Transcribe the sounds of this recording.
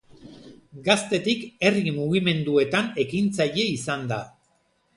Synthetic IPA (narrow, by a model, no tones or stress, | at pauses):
ɡast̪e̞t̪ike̞rimuɣime̞nd̪ue̞t̪ane̞kint͡saje̞isand̪a̰